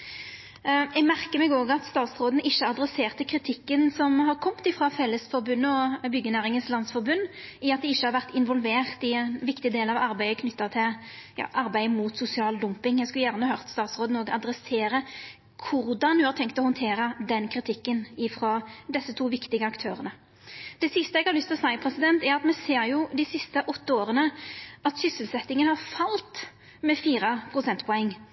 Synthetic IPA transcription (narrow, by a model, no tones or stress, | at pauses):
jɛɡmæʁkəmɛːɡoːɡɑt̪st̪ɑːt̪sʁoːd̪n̩ɪʃːəæɾɑd̪ɾɛseːʁt̪ʰəkʰɾɪt̪ʰɪkːənsɔmhɑɾkʰɔmt̪ɪfʁɑːfɛlːəsfɔɾbʉnːəɔbʏɡːənæːɾɪŋənslɑnsfɔɾbʉnːɪɑt̪̚d̪ɛɪʃːəhɑɾʋæʁt̪ɪnʋɔlʋeːʁt̪ɪɛnʋɪkt̪ɪd̪eːlɑʋɑɾbæɪəkʰnʏt̪ːɑt̪ʰɪljɑ̰ːʔɑɾbæɪəmuːt̪sʊsɪɑːld̪ʊmpɪŋjæɪɡskʉljæʁnəɑhœʁt̪st̪ɑːt̪sʁoːd̪n̩oːɡɑd̪ɾɛseːɾə | kʰʊʁd̪ɑnd̪ʉːhɑɾt̪ʰɛŋk̚t̪ɔhɔnt̪ʰeːɾəd̪ɛnkʰʁɪt̪ʰɪkːənɪfɾɔd̪ɛsːət̪ʰuːʋɪkt̪ɪɡəɑkt̪ʰøːʁənə | d̪̥ɛsɪst̪əɛɡhɑɾlʏst̪lɔsæɪpʰʁɛsɪd̪ɛnt̪æɾɑt̪mɛseːɾjʊd̪ɪsɪst̪əʔɔt̪ːəoːʁənəɑt̪sʏsəlsɛt̪ːɪŋənhɑʁfɑlt̪ | mɛfiːʁəpʰʁʊsɛnt̪pʰɔɛŋː